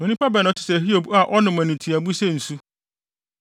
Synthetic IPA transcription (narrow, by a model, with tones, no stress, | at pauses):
o˨nĩ˦pʰa˦bɛ˨nʊ̃˨tʰɪ˨sɛ˨ɦi˦o˨ba˨ʔɔ˦nʊ̃˨mæ̃˨nɪ̃˨tʰi˨æ˨bu˦sɛ˦˨n̩˨su˦